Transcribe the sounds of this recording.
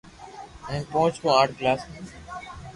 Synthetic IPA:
ĩːpõːt͡ʃtõːaːʈklaːsː

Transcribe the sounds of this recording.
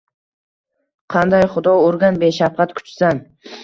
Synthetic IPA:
qʰɑnd̪ajχʊd̪ɒoɾɡʲanbeʃafqʰɑt̪kʰʊ̥t͡ʃsan

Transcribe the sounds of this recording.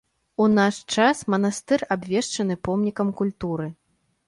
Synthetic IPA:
unaʂt͡ʂasmɐnast̪ɨrabvʲɛʂt͡ʂɐnɨpɔmnʲikɐmkulʲt̪uɾɨ

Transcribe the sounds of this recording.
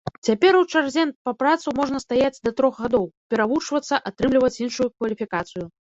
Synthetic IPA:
t͡sʲapʲɛɾuwt͡ʂarzʲɛnpɐpɾat̪sumɔʐnɐst̪ajad͡zʲd̪ɐt̪ɾɔxɣad̪ɔwpʲɛɾavut͡ʂvɐt̪sːɐʔat̪ɾɨmlʲivɐt͡sʲinʂujukvɐlʲifʲikat̪sɨju

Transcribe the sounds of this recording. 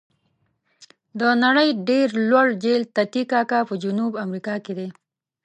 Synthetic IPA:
d̪ənaɽəjɖeɾlwaɽd͡ʒelt̪at̪ikɑkapəd͡ʒunubamɾikɑked̪e

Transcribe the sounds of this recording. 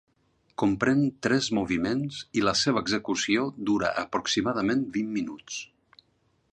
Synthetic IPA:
kumpɾɛnt̪ɾɛzmuβimenziləseβ̞əːɡzəkusiod̪uɾə̰ʔəpɾuksimaðəmenbimːinut͡s

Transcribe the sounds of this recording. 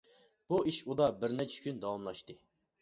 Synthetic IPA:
b̥uʔiʃud̪ɑbɪɾnɛt͡ʃʰɛ̥kʲʰynd̪ɑwɑmlˠɑʃt̪ɨ

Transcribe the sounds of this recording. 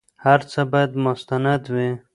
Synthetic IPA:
haɾt͡sabajad̪mʊst̪anad̪wi

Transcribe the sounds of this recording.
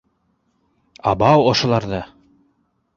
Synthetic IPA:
ɑ̰bɑwŏʃŏlˠɑɾðɤ

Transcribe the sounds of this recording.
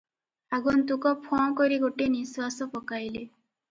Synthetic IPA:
aɡɔnt̪ukɔpʰɔ̃kɔɾiɡoʈeniswasɔpɔkajle

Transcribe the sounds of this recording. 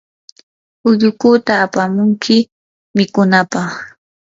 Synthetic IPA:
ʊʎʊkut̪aːpamʊŋkʰɪ | mɪkʊnapɑχ

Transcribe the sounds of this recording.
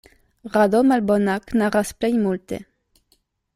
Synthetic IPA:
ʁad̪omalbonaknaʁasplejmult̪ḛ

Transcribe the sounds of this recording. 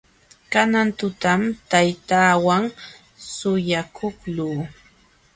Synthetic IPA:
kanant̪ʊt̪amt̪ajt̪aːwaŋ | sʊjakʰoχluː

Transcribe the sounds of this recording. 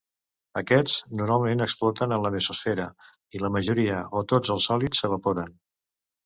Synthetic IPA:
əkɛd͡znuɾmalˠmenəksplɔt̪ənənləβisusfɛɾə | iləməʒuɾiəot̪od͡zəlˠsɔlisəβ̞əpoɾən

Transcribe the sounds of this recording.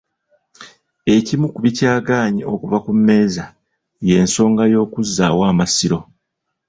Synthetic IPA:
e̞cimukuβicaːɡaːɲio̞kuvakumːe̞ːza | je̞ːnso̞ːŋɡajo̞ːkuzːa̰ːwaːmasiɾo̞

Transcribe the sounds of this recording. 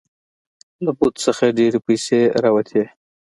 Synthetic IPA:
labut̪səxaɖeɾepəjseɾawat̪ʰe

